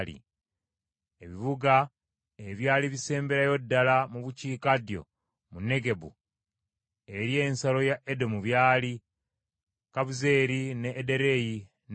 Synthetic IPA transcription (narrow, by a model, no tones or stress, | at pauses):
lḭ | eβiβuɡa | e̞βjaːliβise̞ːmbe̞ɾajo̞dːalamuβuciːkadjo̞̰ | munːe̞ɡe̞bṵ | e̞ɾje̞ːnsalo̞jaʔedo̞muβjaːli | kaβuze̞ːɾineʔːde̞ɾe̞ji | n